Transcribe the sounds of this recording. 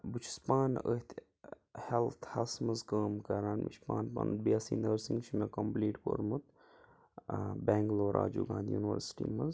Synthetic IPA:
but͡ʃʰi̥spaːnət̪ʰ | helt̪ʰhɐlsmɐzkəːmkɐɾaːnmḭt͡ʃʰpa̰ːnpɐ̰n̚biasḭːnəːɾsĩŋɡt͡ʃʰimekɐmpliːʈpo̰ɾmut̪ | beːŋɡloːɾʔa̰ːd͡ʒṵːɡãːnd̪junʋə̰ɾsʈḭːmɐz

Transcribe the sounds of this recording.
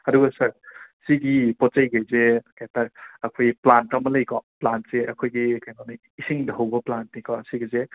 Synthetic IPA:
ɐduɡɐsɐɾsiɡipɔt͡ʃajɡajzekataɾ̚ɐkʰojplantɐmɐlɐjkɔplantseʔɐkʰojɡikajnana | isiŋdaɦawbɐplantnikɔsiɡize

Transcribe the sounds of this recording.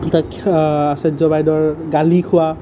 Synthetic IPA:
takasɛzɔbajdɔɹɡalikʰʊwa

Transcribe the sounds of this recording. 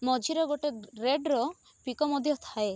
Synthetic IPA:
mɔd͡ʒʱiɾɔɡoʈeɾeɖɾɔ | pikɔmɔd̪ʱjɔt̪ʰae

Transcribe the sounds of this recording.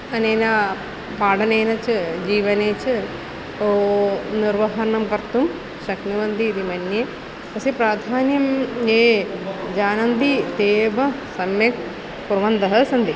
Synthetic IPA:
ɐneːnɐ | paːɽɐneːnɐt͡ʃɨd͡ʒiːʋɐneːt͡ʃɨ | oːniɾʋɐɦɐɾɐnɐmkɐɾt̪um | ʃɐkniʋɐnd̪iːd̪imɐnjeː | ɐsipɾaːd̪ʱaːnjɐmjeːd͡ʒaːnɐnd̪it̪eːʋɐ | sɐmjɐk | puɾʋɐnd̪ɐɦɐsɐnd̪i

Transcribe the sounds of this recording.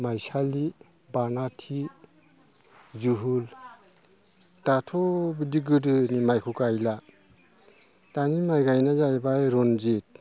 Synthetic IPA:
majsali | banatʰi | zuɦul | tatʰɔbidiɡɯdɯnimajkʰukajla | tanimajɡajnazajbajɾɔnzit̚

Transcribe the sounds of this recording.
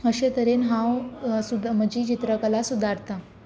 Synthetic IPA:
əɕet̪əɾenɦãwsud̪məd͡ʑiːt͡ɕit̪ɾəkəlasud̪ʱaɾt̪a

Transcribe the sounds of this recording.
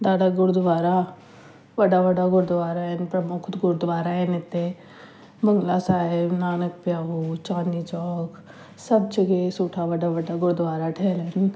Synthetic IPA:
d̪aːd̪aɡʊɾd̪ʋaːɾa | ʋɐɖaʋɐɖaɡʊɽd̪ʊʋaːɾaɛnpɾɐmʊkʰt̪ɡʊɾd̪ʋaːɾaɛnɪt̪ːe | bəŋɡlasaːɪbnaːnək̚pjaːɦut͡ʃãːnd̪it͡ʃɔːk | sɐb̚t͡ʃɐɡesuːʈʰaʋɐɖaʋɐɖaɡʊɽd̪ʋaːɾaʈʰɛːlən

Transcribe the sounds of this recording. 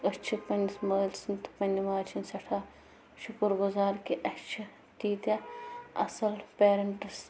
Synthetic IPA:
ət͡ʃʰipɐnismɐːlsinʲt̪ɨ̥pɐnʲiʋaːt͡ʃʰinsɐʈʰaː | ʃukəɾɡʊzaːɾkiʔɐt͡ʃʰɐ | t̪iːt̪ʲɐɐ̰sɐlpeːɾɐɳʈɨs

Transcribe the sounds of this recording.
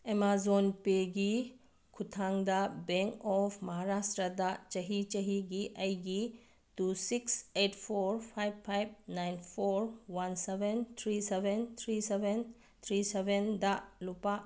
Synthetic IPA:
emazɔnpeɡi | kʰut̪ʰaŋd̪abɛŋkɔpʰmɐɦaɾasʈɾəd̪at͡ʃɐɦit͡ʃəɦiɡiʔajɡi | tusiksetʰpʰoɾpʰajb̚pʰajb̚najnpʰoɾwansebent̪ʰɾisebent̪ʰɾiseben | t̪ʰɾisebend̪alupa

